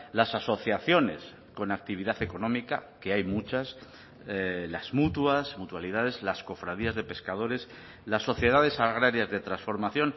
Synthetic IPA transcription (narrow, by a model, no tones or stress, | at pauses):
lasaso̞θjaθjo̞ne̞̰s | ko̞nak̚t̪iβiðaθe̞ko̞nõ̞mika̰ke̞ajmut͡ʃas | laz̥mut̪wuasmut̪waliðaðe̞zlasko̞fɾað̞iazðe̞pe̞skaðo̞ɾe̞s | lasːo̞θje̞ð̞að̞e̞saɣ̞ɾaɾjazðe̞t̪ɾansfo̞ɾmaθjo̞n